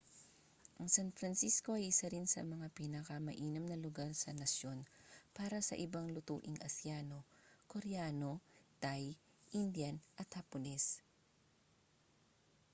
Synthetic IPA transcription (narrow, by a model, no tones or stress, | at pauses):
ʔɐŋsanfɾɐnsisko̞ʔɐjʔɪsaɾɪnsɐ̰mɐŋapinɐkɐmɐʔiːnɐmnɐlʊɡaɾsɐnɐsjo̞npaːɾɐsɐ̰ʔɪbaŋlʊt̪ṵːʔɪŋɐsjaːno̞koɾaːno̞t̪aj | ʔind̪janʔɐt̪̚hɐponɛs